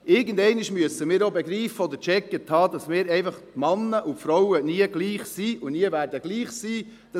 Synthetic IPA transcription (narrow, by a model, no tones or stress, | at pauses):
ʔɪɾɡəndɛɪniʃmyəsəmɪːɾobeɡɾiːfəɔd̪əɾt͡ʃɛkːəthɑːd̪ɑsmɪːɾɛɪfɑχt̪mɑnːəʔʊtfɾawəniəɡliːχsiːʔʊniəvæːɾdəɡ̥liːχsiː | d̥ɑ